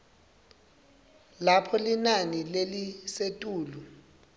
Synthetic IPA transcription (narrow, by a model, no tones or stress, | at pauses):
lapʰɔlinanilelisetʼuːlu